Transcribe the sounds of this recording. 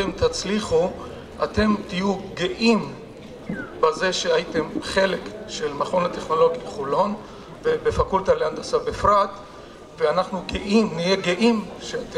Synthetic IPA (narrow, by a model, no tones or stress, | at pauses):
emt̪at͡sliχu | ate̞mt̪ijuɡeʔim | baze̞ʃeajit̪e̞mχe̞le̞kʃe̞lmaχo̞nateχno̞lo̞ɡiχulo̞n | vebefakultaleand̪asabefʁat̪ | veanaχnuɡeʔimnijeɡeʔimʃeat